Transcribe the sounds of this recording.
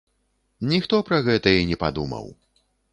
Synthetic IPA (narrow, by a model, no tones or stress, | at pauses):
nʲixt̪ɔpɾɐɣɛt̪ɐinʲɛpad̪umɐ̰w